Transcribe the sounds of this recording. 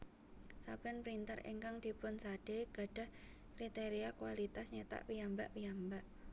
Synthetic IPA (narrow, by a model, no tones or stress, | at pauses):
sab̥ɛnpɾint̪aɾḛŋkaŋd̪̥i̤pʊnsaɖ̥eɡ̥a̤ɖ̥a̤h | kɾit̪eɾiakuwalit̪asɲet̪a̰ʔwiambaʔwiambaʔ